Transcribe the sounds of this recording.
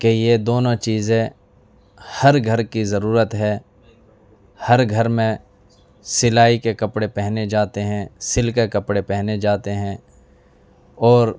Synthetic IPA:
kejed̪oːnõt͡ʃiːzẽ | hɐɾɡʱəɾkizɐɾuːɾət̪ɦɛː | hɐɾɡʱɐɾmẽ | sɪlaːikekɐpɽepɛɦned͡ʒaːt̪eɦɛ̃sɪlkekɐpɽepɛɦned͡ʒaːt̪eɦɛ̃ː | ɔːɾ

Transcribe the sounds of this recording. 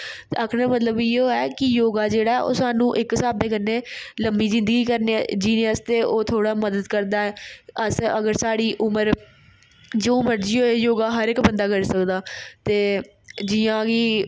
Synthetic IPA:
aːkʰɽaːmət̪ləbɪoːɛːkɪjoːɡaːd͡ʒeːɽaːɛʔo̰ːsaːnũːʔɪksaːbeːkənːeːləmbiːzɪ̃nd̪əɡiːkəɾned͡ʒiːnəst̪eːʔoːt̪ʰoːɽaːməd̪əd̪kəɾd̪aːɛːəsəɡəɾsaːɽiːʔʊməɾ | d͡ʒoːməɾd͡ʒiːɦoːejoːɡaːɦəɾɪkbənd̪aːkəɾiːsəkd̪aːt̪eː | d͡ʒɪjãːɡiː

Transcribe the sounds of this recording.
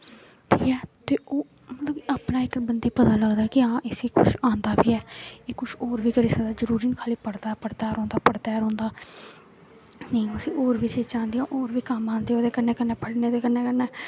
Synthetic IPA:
ʈʰiːkɛːt̪eːʔoː | mət̪ləbaːpnaːɪkbənd̪eːpət̪aːləɡd̪aːkɪãːʔɪsiːkʊ̰ʃãːnd̪aːbiːɛːeːkʊʃoːɾʋiːkəɾeːsəd̪aːd͡ʒəɾuːɾiːnkʰaːliːpəɽd̪aːɛːpəɽt̪aːɾɔ̃ːnd̪aːpəɽt̪aːɾɔ̃ːnd̪aː | nəĩəsĩːʔoːɾʋiːt͡ʃeːt͡ʃãːnd̪ijãːʔoːɾʋiːkəmãːnd̪eːoːd̪eːkəɾneːkəneːpəɽneːd̪eːkənẽːkəɾneː

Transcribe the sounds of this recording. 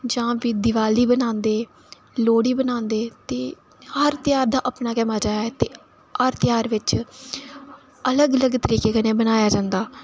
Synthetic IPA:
d͡ʒãːʋiːd̪ɪʋaːliːbənãːnd̪eː | loːɽiːbənãːnd̪eːt̪eː | həɾt̪ɪjaːɾd̪aːʔəpnaːkɛːmaːd͡ʒaːjaːɛːt̪eː | həɾt̪ɪjaːɾʋɪt͡ʃ | ələɡələɡt̪əɾiːkeːkəneːbənaːjaːd͡ʒãːnd̪aː

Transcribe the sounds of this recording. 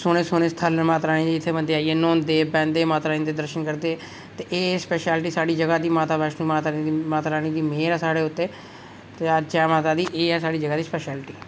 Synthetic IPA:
soːneːsoːneːst̪ʰəlmaːt̪ɾaːɽ̃ĩːd̪iːɪt̪ʰːeːbənd̪eaːieːnɔ̃ːnd̪eːbɛ̃ːnd̪eːmaːt̪ɾaːĩːd̪eːd̪əɾʃənkəɾd̪eː | t̪eːʔeːspɛːʃɛːlʈiːsaːɽiːd͡ʒəɡaːd̪iːmaːt̪aːbaːʃnũːmaːt̪aid̪imaːt̪ɾaːñĩːd̪iːmeːɾɛːsaːɽeːʊt̪ːeː | t̪ːt͡ʃɛːmaːt̪aːd̪iːʔeːɛːsaːɽiːd͡ʒəɡaːd̪iːspɛːʃɛːlʈiː

